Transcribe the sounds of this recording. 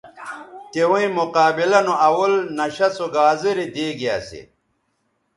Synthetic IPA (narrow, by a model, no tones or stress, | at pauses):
t̪ewũĩmuqaːbilɐnoɐwɐlnɐɕɐsuɡaːziɾid̪eːɡija̰ːsḭ